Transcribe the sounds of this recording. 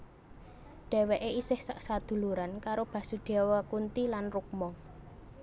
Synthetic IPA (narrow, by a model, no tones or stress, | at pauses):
ɖ̥e̤wɛʔeisɪhsaʔsad̪̥ṳluɾankaɾob̥ä̤sud̪̥awakunt̪ilanruk̚mɔ